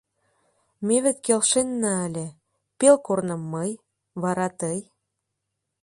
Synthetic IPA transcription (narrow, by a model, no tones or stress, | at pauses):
meβĕt̪kelʃenːɑːlʲĕ | pelkornə̆mːəj | βɑɾɑt̪əj